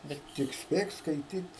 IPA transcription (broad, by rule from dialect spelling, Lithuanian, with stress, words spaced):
ˈbʲɛt tʲɪk ˈsʲpʲeːk skɐɪˈtʲiːt